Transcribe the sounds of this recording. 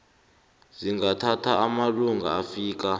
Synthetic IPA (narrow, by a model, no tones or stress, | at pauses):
ziŋɡatʰatʰaːmaluŋɡʱa̰afiːk̬a